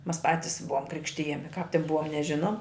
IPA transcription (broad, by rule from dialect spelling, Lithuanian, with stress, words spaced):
mɐs ˈpɑːtʲɪs ˈbʊʋoːm ˈkrʲɪkʃʲtʲɪjɛmʲɪ kɑːp tʲɪn ˈbʊʋɐ nʲɛˈʒʲɪnoːm